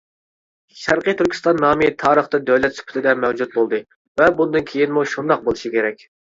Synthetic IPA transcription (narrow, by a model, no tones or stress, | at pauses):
ʃæɾqɨt̪ʰyɾkʲʰi̥st̪ɑnːɑːmit̪ʰɑːɾəχt̪ɨd̪øwlɛt̪sy̥pʰɪ̥t̪ʰɪd̪ɛmɛwd͡ʒut̪̚bolˠd̪ɨ | vɛbund̪ɨnkʲʰejinmuʃund̪ɑq̚bolˠɨʃikʲeɾɛkʲ